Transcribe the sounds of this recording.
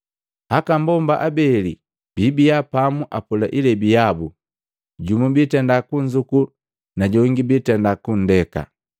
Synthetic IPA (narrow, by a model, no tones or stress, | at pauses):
hakambɔmbaʔabɛli | b̥ibijapamuʔapulaʔilɛbijabu | ɟumubitɛndakuɲd͡ʒuku | naɟɔŋɡibitɛndakun̩dɛka̰